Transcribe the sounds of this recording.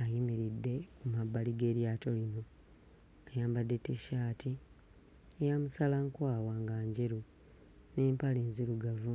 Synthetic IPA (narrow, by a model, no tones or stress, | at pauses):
ajimiɾidːe̞kumabːaliɡe̞ːɾjaːto̞lino̞ | ajaːmbadːe̞teʃaːtʰi | ejamusalaŋkwaːwaːŋɡaːɲɟeɾu | ne̞ːmpaleːnziɾuɡavu